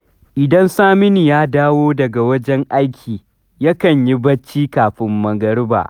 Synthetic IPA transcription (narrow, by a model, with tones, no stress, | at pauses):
ʔɪ˨dɐ˦nsaː˦mɪ˦ni˨jaː˦daː˦woː˦dɐ˨ɡa˨wɐ˦d͡ʒɛ˦ŋʔa˦jkʲʰiː˨ | jɐ˦kɐ˨ɲji˦bɐ˦t͡ʃːiː˦kaː˨ɸɪ˦mːɐ˨ɡɐ˦ɾba̰ː˨ʔ